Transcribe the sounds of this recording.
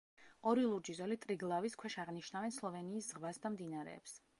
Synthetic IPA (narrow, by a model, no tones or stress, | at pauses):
ɔɾilˠuɾd͡ʒizɔlit̪ʼɾiɡlˠaviskʰwɛʃaʁniʃnavɛnslˠɔvɛniːszʁvasd̪amd̪inaɾɛ̰ːps